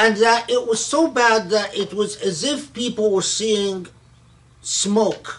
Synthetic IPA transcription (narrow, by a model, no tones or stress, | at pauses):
ɨ̃nðɨɾɪʔ̚wʌz̥soʊbæd̪̚ðɨɾɪt̚wʌzɨzɪfpipl̩ˠwə˞siɪ̃ŋ | smoʊk